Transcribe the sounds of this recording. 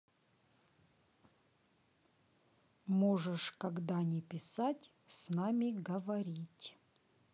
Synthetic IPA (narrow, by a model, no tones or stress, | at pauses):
moʐɨʂkɐɡd̪anʲɪpʲɪsatʲ | snamʲɪɡəvɐɾʲitʲ